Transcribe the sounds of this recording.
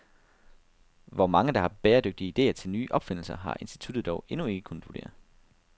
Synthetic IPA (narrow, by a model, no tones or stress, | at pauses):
ʋɒmɑ̈ŋəd̥ɑ̈hɑ̈b̥ɛːɐd̥øɡ̥̚d̥iəide̝̰ːɐt͡sʰe̝lnyːʔɒ̽b̥fe̝n̰l̩sɐɦɑ̈ʔe̝nsd̥i̥t͡sʰud̥ð̩ˠd̥ɒʊe̝nue̝ɡ̥əkʰunð̩̥ˠʋud̥e̝̰ːɐ